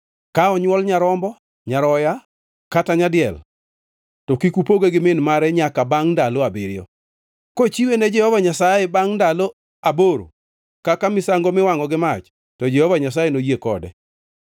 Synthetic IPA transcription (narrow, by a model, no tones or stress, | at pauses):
kaɔɲwɔlɲaɾɔmbɔ | ɲaɾɔja | kataɲadɪɛ̰l | tɔkikupoɡeɡɪmɪnmaɾɛɲakabaŋndaloabɪɾjɔ̰ | kot͡ʃiwened͡ʒɛhɔvaɲasajɛbaŋndalo | aboɾo̰ | kakamɪsaŋɡomɪwaŋɔɡɪmat͡ʃ | tɔd͡ʒɛhɔvaɲas̬ajenojekɔ̰dɛ̰